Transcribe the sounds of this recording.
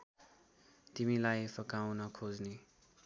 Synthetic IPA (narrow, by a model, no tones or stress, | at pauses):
t̪imilajpʰʌkawnʌkʰod͡zne